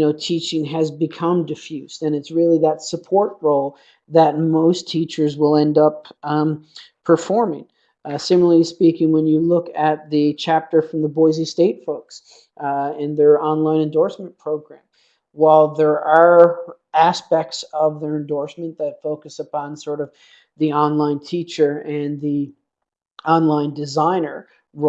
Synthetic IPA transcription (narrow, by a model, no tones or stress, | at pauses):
jɨnoʊtʰit͡ʃɪ̃ŋɨzbɨkʰʌ̃mdɨfjʉstɨ̃nɨtsɹɪlˠiðɨtsəpʰɔɹt̚ɹoʊlˠ | ðɨt̚moʊstʰit͡ʃə˞zwɪlˠɛ̃ndʌp | pʰə˞fɔɹmɪ̰̃ŋ | sɪ̃ml̩ˠəlispikɪ̃ŋwə̃njɨlʊkɨt̪̚ðɨt͡ʃʰæp̚tə˞fɹʌ̃mðəbɔɪzisteɪtfoʊks | ɪ̃nðə˞ʔɑ̃nlãɪ̃nɨ̃ndɔɹsmə̃npʰɹ̥oʊɡɹæ̃m | waɪlˠðə˞ʔə˞ | æspɛk̚tsʌvðə˞ɨ̃ndɔɹsmɨ̃nðɨtfoʊkɨsəpʰɑ̃nsɔɹɾʌv | ðiɑ̃nlãɪ̃ntʰit͡ʃə˞ɨ̃nði | ɑ̃nlãɪ̃ndɨzãɪ̃nə˞ | w